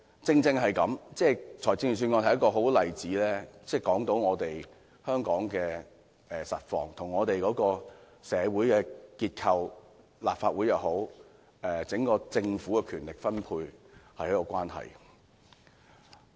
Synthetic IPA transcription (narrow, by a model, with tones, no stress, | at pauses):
t͡sɪ˧ŋt͡sɪ˧ŋɦɐ˨jkɐ̰˨˥mt͡sɛː˥˧t͡ʃʰɔː˨˩t͡sɪ˧ŋ˨syː˧nŋɔː˧t̪hɐ˨˩jɐ˥tkɔː˧ɦo˨˥wlɐ˨˩jt͡siː˨˥lɛː˥t͡sɛː˥˩kɔː˨˥ŋt̪o˨˥wŋɔː˨˧t̪e˨j | hœː˥ŋkɔː˨˥ŋkɛː˧ | ɛː˨˩sɐ˨t̚fɔ̰ː˨˧ŋt̪ʰʊ˨˩ŋːɔː˨˧t̪e˨jkɔː˨˥kɔː˧ | sɛː˨˧wu˨˥jkɛː˧kiː˧t̚kʰɐ˧w | laː˨p̚faː˧t̚wu˨˥jɐ˨˧wɦo˨˥w | ɛː˨˩t͡sɪ˨˥ŋkɔː˧t͡sɪ˧ŋfuː˨˥kɛ˧kʰyː˨˩nlɪ˨k̚fɐ˥npʰuː˧jhɐ˨jhɐ˦˥kɔː˧kʷwaː˥nhɐ̰˨j